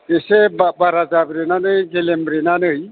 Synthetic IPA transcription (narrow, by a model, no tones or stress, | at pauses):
kesebabaɾad͡zabɾenanəjɡelembɾenanɯj